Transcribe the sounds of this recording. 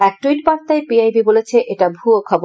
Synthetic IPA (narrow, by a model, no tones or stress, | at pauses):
ɛk̚ʈuijʈbaɾt̪aepiajbibolet͡ɕʰeʔeʈabʱuokʰɔbo